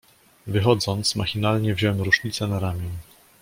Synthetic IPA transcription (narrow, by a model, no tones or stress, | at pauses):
vɘxɔd̪zɔnt̪smaxʲinalɲɛvʑɔwɛmɾuʂɲit̪sɛnaɾamʲjɛɲ